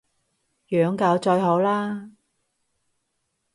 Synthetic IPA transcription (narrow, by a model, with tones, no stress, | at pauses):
jœː˨˥ŋkaː˨˥wt͡ʃɔː˧jɦo˨˥wlaː˥